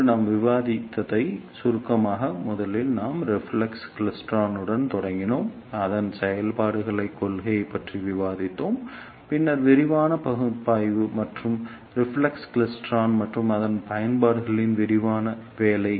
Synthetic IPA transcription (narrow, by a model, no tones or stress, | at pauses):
naːmʋɪʋaːðɪt̪ːɐðɐɪsʊɾʊkːɐmaːɣɐmʊðɐlɪlnaːmɾɪfɭɐksklɪsʈɾaːnɯɽɐnt̪ɔɽɐŋɡɪnoːm | ɐðɐnsɛjɐlpaːɽɯɣɐɭɐɪkːɔlɣɐjɐɪpːɐʈriʋɪʋaːðɪt̪ːoːm | pɪnːɐɾʋɪɾɪʋaːnɐpɐɣɯpːaːjʋɯmɐʈrɯm | ɾɪfɭɐksklɪsʈraːnmɐʈrɯmɐðɐnpɐjɐnpaːɽɯɣɐɭɪnʋɪɾɪʋaːnɐʋeːlɐɪ